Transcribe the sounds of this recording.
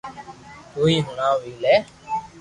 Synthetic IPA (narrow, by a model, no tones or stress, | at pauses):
toːiːɦʊɳaːʋiːlɛː